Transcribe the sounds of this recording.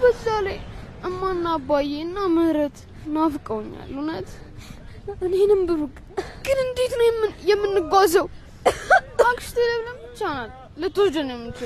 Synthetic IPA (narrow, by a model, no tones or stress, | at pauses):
bəsale | ɨmːanːabajeɨnːaməhɾət̪ | nafɨkʼəwɲːa̰lːunət̪ | ɨnenɨmbɨɾɨkʼ | kʼɨnɨnd̪et̪nəmːjɛmːɨnːɨɡazəw | akʼɨʃt̪ʰeləβləm | t͡ʃːanalːət̪ʰod͡ʒənjɛmːɨnt͡ʃɪ